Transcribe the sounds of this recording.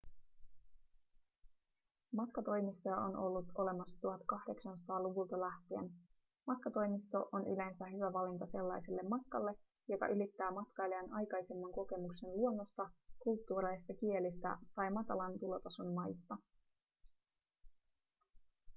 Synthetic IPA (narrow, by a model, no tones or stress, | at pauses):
mɑt̪kɑt̪o̞jmist̪o̞jɑʔo̞̰nʔo̞lːut̪o̞le̞mɑsːɑ̥t̪uɦɑt̪kɑhde̞ksɑnsɑt̪ɑːluʋult̪ɑlæht̪iḛn | mɑt̪̚kɑt̪o̞jmist̪o̞ʔonʔy̰le̞nsæɦyʋæʋɑlint̪ɑse̞lːɑjselːe̞mːɑt̪kɑlːe̞ | jo̞kɑ̰ʔylit̪ːæːmɑt̪kɑjleænɑjkɑjsemːɑŋko̞ke̞mukse̞nluo̞nːost̪ɑkult̪ːuːɾɑlist̪ɑk̟ie̞list̪æ̰t̪ɑjmɑt̪ɑlɑnt̪ulo̞t̪ɑsunmɑjst̪ɑ